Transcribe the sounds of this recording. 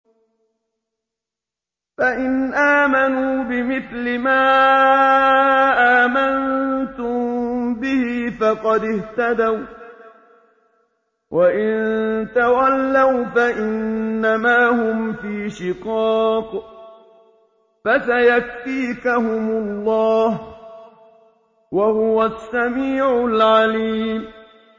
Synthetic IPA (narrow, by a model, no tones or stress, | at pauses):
faʔɪnʔaːmanuːbɪmɪθlɪmaː | ʔaːmant̪ʊmbɪhɪfɑqɑd̪ɪht̪ad̪aw | wʔaʔɪnnt̪awalːawfaʔɪnːamaːhʊmfiːʃɪqɑːq | fasajakfiːkahʊmʊlːɑːh | wahʊwasːamiːʕʊlʕaliːm